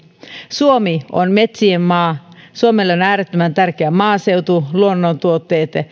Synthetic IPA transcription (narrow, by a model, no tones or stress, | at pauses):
suomio̰nmet̪siemmɑːsuomelːonæːɾet̪ːømænt̪ærkeæmɑːseut̪uluonːont̪uot̪ːeːt̪